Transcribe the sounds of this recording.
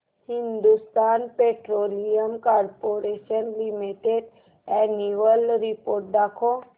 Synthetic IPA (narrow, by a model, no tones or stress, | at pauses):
hĩnd̪ust̪aːnpeʈɾoːlijəmkaɾpoɾeʃənlimiʈeɖ | ɛniʋəlɾipoːɾʈ̚d̪aːkʰo